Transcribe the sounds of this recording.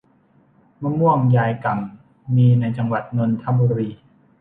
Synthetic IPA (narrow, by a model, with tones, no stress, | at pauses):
ma˧˥mu˥˩əŋjaː˧jka˨˩m | miː˧na˧jt͡ɕa˧ŋwa˨˩t̪̚no˧nt̪ʰa˧˥mbuː˧ɾiː˧